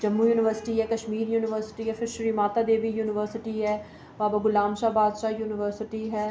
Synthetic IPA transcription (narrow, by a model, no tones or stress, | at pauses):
d͡ʒəmːujuːnɪʋəɾsɪ̥ʈiɦɛːkəʃmiːɾjuːnɪʋəɾsɪ̥ʈiːɦɛfʰɪɾʃəɾimaːt̪aːd̪eːʋijuːnɪʋəɾsɪʈiɦɛː | baːbaɡʊlaːmʃaːbaːd̪ʃaːjuːnɪʋəɾsɪʈiɦɛː